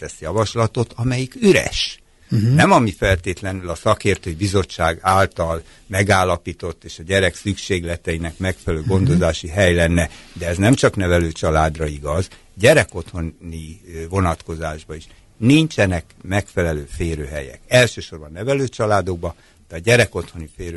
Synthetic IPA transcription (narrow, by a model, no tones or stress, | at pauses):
t̪ɛsjɒvɒʃlɒt̪o̞t̪ʰɒmɛjikyɾɛ̰ʃ | nɛmɒmifɛlt̪eːt̪lɛnylɒsɒkeːrt̪øːjibizo̞t͡ʃːaːɡaːlt̪ɒl | mɛɡaːlːɒpiːt̪o̞t̪ːeːʃɒɟɛɾɛksykʃeːɡlɛt̪ɛjinɛkmɛkfɛlɛløːɡo̞nd̪o̞zaːʃiɦɛjlɛnːɛd̪ɛːznɛmt͡ʃɒknɛvɛløːt͡ʃɒlaːd̪rɒiɡɒz | ɟɛɾɛko̞t̪ho̞nnivo̞nɒt̪ko̞zaːʒbɒiʃ | nint͡ʃɛnɛkmɛkfɛlɛløːfeːɾøːɦɛjɛ̰kɛlʃøːʃo̞rbɒnːɛvɛløːt͡ʃɒlaːd̪o̞ɡ̚bɒ | d̪̥ɛɒɟɛɾɛko̞t̪ho̞nifeːɾø